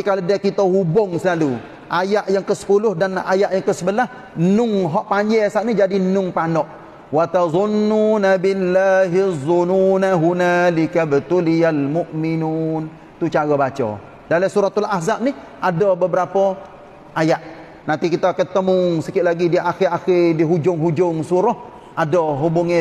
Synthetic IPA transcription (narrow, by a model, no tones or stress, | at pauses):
ikalodiakit̪əhubʊŋsəlalu | ʔajaʔjaŋkəsə̥pulʊhdana̰jaʔjaŋkəsəbəlah | nʊŋɦɔʔpaɲd͡ʒɛsaʔnid͡ʒadinʊŋpanɔʔ | wat̪azˤʊnːunabɪlːaːɦizˤununaɦunalikabt̪ulijalmʊʔminuːn | t̪ut͡ʃaɣɔbat͡ʃɔ̰ | dalasuɾat̪alahzap̚nih | adɔbəbəɾapɔ | ʔajaʔ | nant̪ikit̪ɔkət̪ːəmʊŋsəkɪʔ̪ʔlaɡidiʔaxɪɾaxɪdiɦud͡ʒʊŋɦud͡ʒʊŋsuɾɔh | ʔadɔɦubuŋɪ